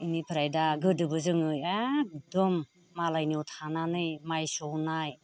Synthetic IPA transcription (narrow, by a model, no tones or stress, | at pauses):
inipʰiɾajdaɡɯdɯbɯzɯŋɯjadɔmː | alajniwtʰananɯjmajsɔwnaj